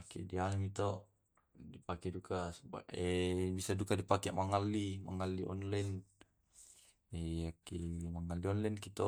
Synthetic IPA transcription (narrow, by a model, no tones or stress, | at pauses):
akɛ̰dianmit̪oʔ | dipakɛdukasba̰ɛbisadukadipakɛmaŋalima̰ŋaliʔɔ̰nlan | ɛakimaŋalːiɔnlɛnkit̪o